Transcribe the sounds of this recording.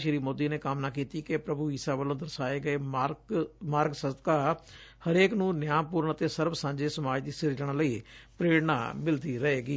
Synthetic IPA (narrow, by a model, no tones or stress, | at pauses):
ʃəɾiːmoːd̪iːneːkamnaːkiːt̪iːkepɾəbuːisaːʋəlõːd̪əɾsaːeːɡəeːmː | maːɾɡsəst̪kaːhəɾeːknũːnɪjaːmpuːɾənət̪eːsəɾbsãːɲd͡ʒeːsəmaːd͡ʒd̪iːsɪɾd͡ʒəɽ̃ləiːpɾeːɽna̰ːmɪld̪iːɾəɦeːɡiː